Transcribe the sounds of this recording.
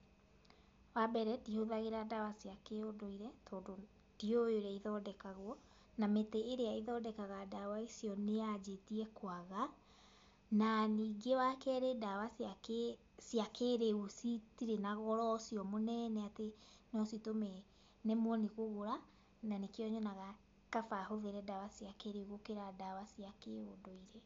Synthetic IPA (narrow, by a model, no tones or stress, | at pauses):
wabɛɾɛtihoðaɣeɾadawasiakeodoiɾɛtoːdo | d̥iojoɾeaiðɔdɛkaɣwɔ | nameteːɾeaiðɔdɛkaɣadawaisiɔnead͡ʒetiɛkwaɣa | naniːɡewakɛɾedawas | siakeɾeɣusitiɾenaɣɔɾɔsiɔmonɛnɛate | nɔsitomɛ | nemwɔniɣoɣoɾa | nanekeɔɲɔnaɣa | kafaɦoðeɾɛdawasiakeɾeɣokeɾadawasiakeodoiɾe